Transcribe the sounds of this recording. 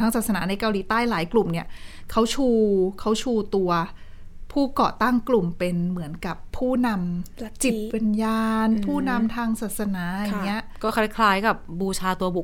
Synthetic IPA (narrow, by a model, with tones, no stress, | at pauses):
a˦˥ŋsaː˨˩t̪̚sa˧naː˩˦na˧jka˧wliː˨˦t̪aː˥˩jlaː˩˦jklu˨˩mni˥˩ɐkʰa˦˥wt͡ɕʰuː˧kʰa˦˥wt͡ɕʰuː˧t̪u˧ɐ | pʰuː˥˩kɔ̰ː˨˩t̪a˥˩ŋklu˨˩mpe˧nmɯ˩˦ənka˨˩pʰːuː˥˩na˧mt͡ɕi˨˩t̪̚pa˧njaː˧npʰuː˥˩na˧mt̪ʰaː˧ŋsaː˨˩t̪̚sa˧naː˩˦a˧˩ŋŋi˦˥ɐʔkɔː˥˩kʰa˦˥kʰlaː˦˥jka˨˩p̚buː˧t͡ɕʰaː˧t̪u˧ɐbu˨˩k̚